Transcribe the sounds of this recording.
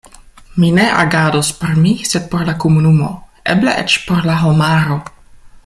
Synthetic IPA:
mineʔa̰ɡadospeɾmised̪̚poɾlakomunumo̞̰ | eblḛʔet͡ʃpoɾlaɦomaɾo̞

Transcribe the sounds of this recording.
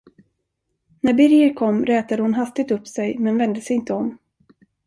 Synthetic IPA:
næɾbɪɾjəɾkʰɔmːɾɛːt̪ad̪əhʊnɦast̪ɪɡ̚t̪ɵpsɛjmɛnvɛnd̪əsɛjɪnt̪əɔm

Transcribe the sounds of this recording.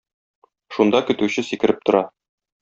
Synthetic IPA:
ʃund̪ɑkɵ̆t̪ʉɕɘsikɘ̆ɾɘp̚t̪ŏɾɑ

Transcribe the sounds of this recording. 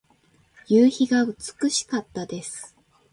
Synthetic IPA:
jɨːçiɡaɯt͡sɨ̥kɯ̟ɕi̥kat̪ːad̪e̞sɨ̥

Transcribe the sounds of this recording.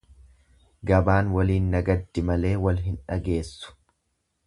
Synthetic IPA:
ɡɐbaːnwɐliːnːɐɡɐd̪ːɪmɐle̞ːwɐlɦɪnᶑɐɡe̞ːsːʊ̥

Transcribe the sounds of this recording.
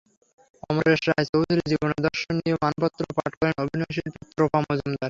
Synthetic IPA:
ɔmoɾeɾʃɾaɦt͡ɕowd̪ʱuɾid͡ʑiboned̪ɔɾʃonnijemanpɔt̪ːɾopaʈkɔɾenobʱinoʃ̬iɾput̪ːɾopamnɔd͡ʑomd̪aɾ

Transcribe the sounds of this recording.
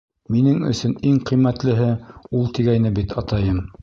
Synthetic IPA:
minɘŋɵ̰̆sɵniŋqɤjmæt̪lɘ̆ɦɘulˠt̪iɡæjnɘbit̪ɑt̪ɑjɤm

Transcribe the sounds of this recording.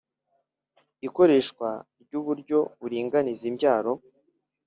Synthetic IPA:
iko̞ɾe̞ːʃkwaɾɟuːβuɾɟo̞βuɾiːŋɡanizimɟaːɾo̞

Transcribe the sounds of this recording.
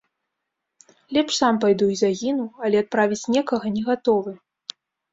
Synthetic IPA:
lʲɛpʂsampajd̪uizaɣʲinuwɐlʲɛat̪̚pɾavʲit͡sʲnʲɛkɐɣɐnʲɛɣat̪ɔvɨ

